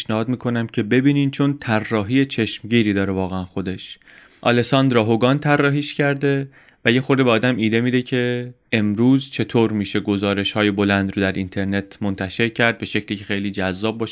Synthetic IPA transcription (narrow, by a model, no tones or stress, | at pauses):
ʃnæhɒːd̪miːkʰo̞næmcʰe̞be̞biːniːnt͡ʃʰo̞nt̪ʰærːɒːɦiːjet͡ʃʰe̞ʃmɟiːɾiːd̪ɒːɾevɒːɣeænxo̞d̪e̞ʃ | ʔɒ̰lesɒnd̪ɾɒːɦoɡɒːnt̪ʰærːɒːɦiːʃcʰæɾd̪e̞ | væje̞xo̞ɾd̪ebeɒːd̪æmiːd̪e̞mid̪e̞cʰe̞ | emɾuːzt͡ʃʰe̞t̪ʰoːɾmiːʃe̞ɡo̞zɒːɾe̞ʃhɒːjebo̞lænd̪ɾod̪æɾint̪ʰe̞ɾne̞t̪ʰmont̪ʰæʃe̞ɾcʰæɾd̪̚be̞ʃe̞cʰliːcʰe̞xe̞jliːd͡ʒæzːɒːb̚ːɒːʃ